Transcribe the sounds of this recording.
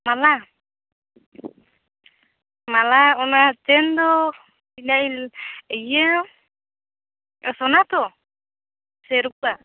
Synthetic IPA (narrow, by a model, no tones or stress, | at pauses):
mala | malaɔnat͡ʃɛnd̪ɔ | binajləja | sɔnat̪ɔ | sɛɾukua